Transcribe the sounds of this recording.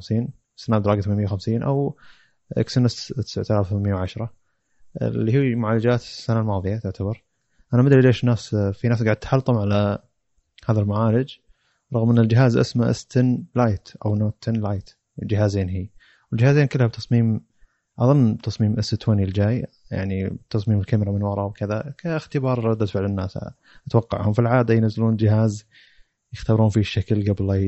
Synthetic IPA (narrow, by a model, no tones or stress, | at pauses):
msiːn | sanaːbd̪ɑɾɑːɡat̪manmjawxamsiːnʔa̰w | ʔɪ̰ksʊnɪst̪ɪ̥saʕt̪alaːfwθamɪjːawʕaʃɾˤɑ̰ | lːiːɦiːmʊʕaːlːad͡ʒaːt̪sːanalmɑːðˤɨjat̪ʊʕt̪abɑɾˤ | ʔanamad̪ɾileːʃnaːsfinaːsɡaʕd̪at̪ħɑlt̪ˤɑmʕala | haːðalmaʕaːlɪd͡ʒ | ɾˤɑɣmʔɪnːɪld͡ʒɪɦaːzʔɪ̰smaʔɪ̰st̪ɪnlajt̪ʔa̰wnot̪anlajt̪ | wɪld͡ʒɪɦaːzeːnhiː | wɪld͡ʒɪhaːzeːnkɪlːhab̚t̪ɑsˤmiːm | ʕɑðˤɨnːt̪ʰɑsˤmiːmʔɪsːɪt̪ʰoːnild͡ʒaːj | ja̰ʕnit̪ɑsˤmiːmɪlkamɾamɪnwɑɾˤɑwkɪðakaxt̪ɪbɑːɾˤɾˤɑd̪ːat̪fɪʕlɪnːaːs | ʔat̪wɑqːɑ̰ʕhʊmfilʕaːd̪ajnazːɪluːnd͡ʒɪhaːz | jɪxt̪ɑɾˤuːnfiʃːaklɡabla